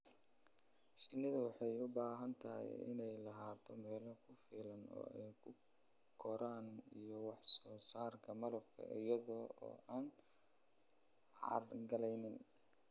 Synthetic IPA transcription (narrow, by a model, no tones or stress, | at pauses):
ʃɪnɪðɐwɑħɑjʊbaːɦɐnt̪ʰɐɛ̰jɪ̰nɛjlɐɦaːt̪ʰɔmɛːlɔkʰʊfiːlɐnɔ̰ːɛjkʰʊ | kʰɔɾaːnijɔwɑħsɔːsaːrkʰɐmɐlɐbkʰɐ̰ʔɪjɐðɔɔ̰ːʔaːn | ʕɑ̰rɡɐlɛjnɪn